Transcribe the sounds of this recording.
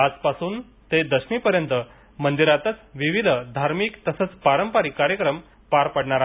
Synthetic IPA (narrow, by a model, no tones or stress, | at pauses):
ad͡zpasuːn | t̪ed̪əɕmiːpəɾjənt̪ə | mənd̪iɾat̪ət͡sʋiʋid̪ʱəd̪ʱaɾmikt̪əsət͡spaɾəmpaɾikaɾjəkɾəm | paɾpəɽɳaɾa